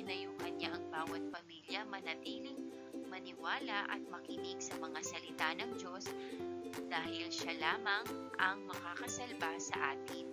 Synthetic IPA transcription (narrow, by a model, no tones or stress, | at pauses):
ɪnɐjʊuŋkɐnɲaʔɐŋbaːwɐt̪̚pɐmiljɐmɐnɐt̪iːlɪŋ | mɐnɪwaːlɐʔɐ̰t̪̚mɐkinɪɡsɐmɐŋasɐlɪt̪anɐŋd͡ʒo̞s | d̪aːhɪlʃalaːmɐŋʔɐŋmɐkakɐsɐlbasɐʔaːt̪ɪn